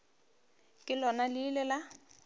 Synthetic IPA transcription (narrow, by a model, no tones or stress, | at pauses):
kʼɪlɔnalɪlɛla